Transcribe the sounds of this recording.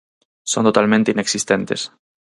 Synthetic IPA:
sont̪ot̪almẽnt̪eineksist̪ent̪es

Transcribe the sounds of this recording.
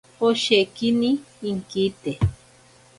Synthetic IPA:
oʃekiniː | ŋkit̪e

